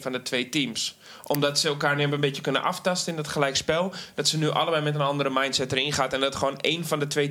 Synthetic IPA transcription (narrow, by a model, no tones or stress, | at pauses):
fɔndətʰʋeːtiːms | ʔɔmdɔtsəɛlˠkaːrnɪpənbɪtjəkønə̰nʔaftastənɪndɔtχəlɛjkspɛlˠd̥ɔtsənyʔa̰lˠəbɛjmɛt̬ənɔndəɾəmajntsɛtərinxaːtɛndɔtxəʋoːneːnfɔndətʋeː